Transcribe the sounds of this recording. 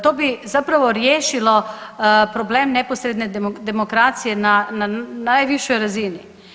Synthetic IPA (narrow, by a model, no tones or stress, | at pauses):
t̪oːbizapɾaʋoɾjeːʃilo | pɾobleːmnɛposɾed̪ned̪emokɾaːt̪sijɛnananajʋiʃɔjɾazini